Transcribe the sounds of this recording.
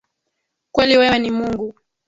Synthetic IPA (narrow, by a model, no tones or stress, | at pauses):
kwɛliwɛwɛnimuŋɡu